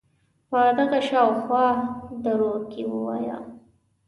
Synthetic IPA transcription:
pad̪aɣaʃɑwxwɑd̪aɾokewə̰wɑ̰ja̰

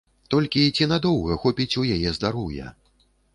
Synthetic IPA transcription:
t̪ɔlʲkʲit͡sʲinad̪ɔwɣɐxɔpʲit͡sʲujajɛzd̪aɾujɛ̰

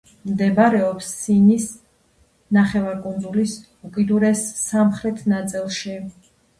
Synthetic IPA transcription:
md̪ɛbaɾɛɔpsːinis | naχɛvaɾkʼund̪zulis | ukʼid̪uɾɛsːamχɾɛt̪ʰnat̪sʼilˠʃi

